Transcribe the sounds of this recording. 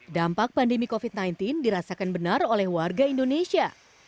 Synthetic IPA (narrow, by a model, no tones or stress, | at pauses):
dampak̚pandemikofit̪̚najnt̪indiɾasakanbənarolɛhwarɡaindonesia